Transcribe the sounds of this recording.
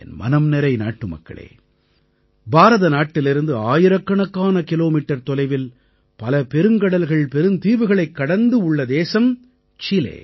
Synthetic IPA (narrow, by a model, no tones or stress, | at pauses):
ɛnmʔɐ̰nɐmnɛɾɐɪna̰ːʈːɯmɐ̰kːɐ̰ɭḛː | baːɾɐðɐnaːʈːɪlɪɾɯnd̪ɯaːjɪɾɐkːɐɳɐkːaːnɐkɪloːmiːʈːɐɾt̪ɔlɐɪʋɪl | pɐlɐpɛɾɯŋkɐɽɐlɣɐɭpɛɾɯmt̪iːʋɯɣɐɭɐɪkːɐɽɐnd̪ɯʊɭːɐd̪eːsɐm | t͡ʃɪlḛː